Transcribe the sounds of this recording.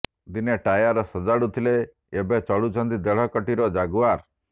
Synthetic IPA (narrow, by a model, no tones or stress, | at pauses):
d̪ineʈajaɾɔsɔd͡ʒaɽut̪ʰile | ebet͡ʃɔɭut͡ʃʰɔnd̪id̪eɭ̤ɔkɔʈiɾɔd͡ʒaɡuaɾ